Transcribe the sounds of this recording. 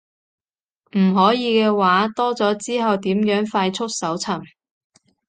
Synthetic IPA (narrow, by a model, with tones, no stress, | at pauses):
m̩˨˩ɦɔː˨˥jiː˨˧kɛː˧waː˨˥t̪ɔː˥t͡sɔː˨˥t͡siː˥ɦɐ˨wt̪iː˨˥mjœː˨˥ŋfaː˧jt͡sʰʊ˥t̚sɐ˨˥wt͡sʰɐ˨˩m